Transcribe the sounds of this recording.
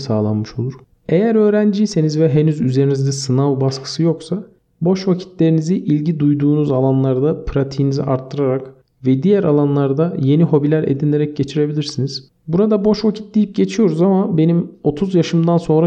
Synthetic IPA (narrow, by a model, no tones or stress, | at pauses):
saːlˠanmɯʃo̞lˠuɾ̥ | e̞jæɾø̞ːɾænd͡ʒijse̞nizvɛɦe̞nyzyze̞ɾinizd̪ɛsɯnavbaskʰɯ̥sɯjo̞ksa | bo̞ʃvacʰi̥t̪ʰlʲe̞ɾiniziʔilʲɟid̪ujd̪uːnuzalˠanlˠaɾd̪apʰɾat̪ʰijːnizḭʔaɾt̪ʰːɯɾaɾak | vɛd̪ijæɾalˠanlˠaɾd̪aje̞niɦo̞bilʲæɾe̞̰d̪inʲe̞ɾɛc̚ɟe̞t͡ʃʰiɾe̞bilʲiɾsiniz̥ | buɾad̪abo̞ʃvacʰi̥t̪̚d̪ʲijip̚ɟe̞t͡ʃʰijo̞ɾuzamabe̞nimo̞t̪ʰuzjaʃɯmd̪anso̞nɾa